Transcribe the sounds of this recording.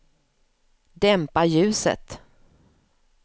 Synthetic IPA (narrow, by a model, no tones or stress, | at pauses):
d̪ɛmpajʉ̟ːsə̰t̪